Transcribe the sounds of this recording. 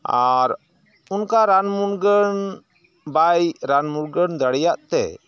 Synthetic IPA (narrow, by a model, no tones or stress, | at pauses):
aɾ | unkaɾanmuɾɡən | bajɾanmuɾɡənd̪aɽɛjaʔt̪ɛ̰